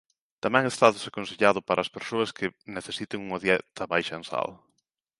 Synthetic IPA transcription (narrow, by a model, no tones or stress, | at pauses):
t̪amɛ̃ŋest̪aðesakonseʎaðʊpaɾʔɐːspeɾsoɐskʰɪneθesit̪ɪŋuŋɐðjɛt̪ɐβajʃɐensa̰l